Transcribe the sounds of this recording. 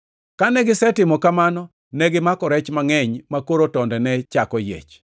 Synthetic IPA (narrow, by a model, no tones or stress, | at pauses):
kanɛɡɪsɛtɪmɔkamanɔ | nɛɡɪmakɔɾɛt͡ʃmaŋɛɲmakoɾotɔndɛnɛt͡ʃakɔjḛt͡ʃ